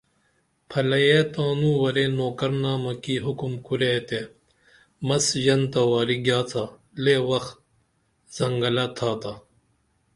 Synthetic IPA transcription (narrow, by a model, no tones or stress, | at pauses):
pʰɐlɐjet̪aːnũːwɐɾeːnoːkɐɾnaːmɐkiɦukumkuɾet̪e | mɐsjɐnt̪ɐwaːɾiɡjaːt͡s̪ʰa | leːwɐxt̪̚ | z̥ɐŋɡɐlɐt̪ʰaːt̪a